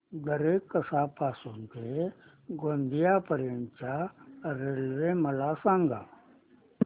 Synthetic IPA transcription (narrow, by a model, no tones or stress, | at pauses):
d̪ɐɾeːkːɐsaːpaːsũnt̪e | ɡõnd̪ijapəɾent͡ʃaɾeːlʋemɐlasãːŋɡa̰ː